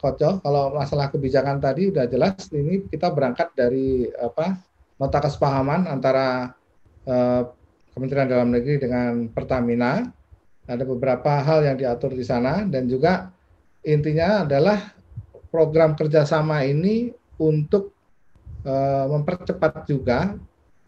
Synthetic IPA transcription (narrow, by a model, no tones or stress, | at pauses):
kot͡ʃɔkalowmasalahkəbid͡ʒakant̪adiudahd͡ʒəlasinikit̪abəɾaŋkat̪̚daɾiapa | mot̪akəsə̥paɦamanant̪aɾa | əː | kəmənt̪ɾiandalamnəɡɾidəŋanpərt̪amina | adabəbəɾapaɦaljaŋdiat̪ʊrdisanadand͡ʒuɡa | int̪̬iɲaːdalah | pɾoɡɾamkərd͡ʒasamainiunt̪ʊk̚ | əməmpərt͡ʃəpat̪̚d͡ʒuɡa